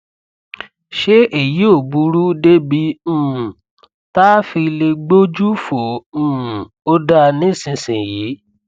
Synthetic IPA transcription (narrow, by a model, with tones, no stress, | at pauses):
ʃe˦e˦˨ji˨˦o˦˨bu˨˧ɾu˦de˦bi˧ũ˦ũ˨ | ta˦fi˧le˧ɡ͡bo˦d͡ʒu˦fo˨ũ˦˨ũ˨ | o˦da˦nĩ˦˨sĩ˧sĩ˨ji˨˦